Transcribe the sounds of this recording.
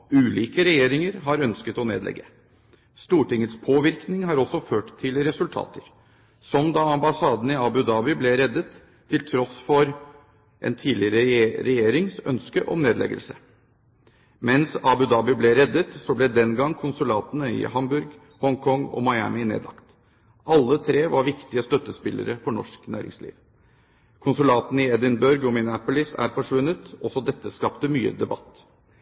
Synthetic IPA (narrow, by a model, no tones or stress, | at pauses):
ʉːliːkəɾɛjeːɾɪŋəɾɦɑɾœnskət̪ɔnḛːd̪lɛ̰ɡːə | st̪uːʈɪŋːət̪spʰoːʋɪɾknɪŋɦɑɾɔsɔføːʈt̪ʰːɪlɾɛsʉlt̪ʰɑ̰ːt̪əɾ | sɔmd̪ɑɑmbɑsɑːd̪ənəɪɑbʉd̪ɑːbɪblɛɾɛd̪ːət̪ʰː | ɪlt̪ʰɾɔsfɔɾ | ʔɛ̰nt̪ʰiːdlɪɾəɾɛjeːɾɪŋsœ̰nskəʔɔ̰mneːd̪lɛ̰ɡə̰lsə | mɛnsɑbʉd̪ɑːbɪblɛɾɛd̪ːət̪sɔblɛd̪ɛnɡɑŋːkʰʊnsʉlɑːt̪ənəɪ̰hɑmbʉɾɡ | hɔŋkʰɔŋːɔ̰mɑɪæ̰mɪnḛːd̪lɑ̰kt̪ | ʔɑlːət̪ʰɾeːʋɑɾʋɪkt̪ɪəst̪œt̪ːəspɪlʔə̰ɾəfɔɳɔ̰ʂknæ̰ːɾɪ̰ŋslḭːʋ | kʰʊnsʉlɑːt̪nəɪɛd̪ɪnbœɾɡɔmɪnæpʊlɪsæ̰ɾfɔʂʋʉnːət̪ɔsɔd̪ɛt̪ːəskɑpt̪əmyːə̰d̪ɛbɑ̰t̪ː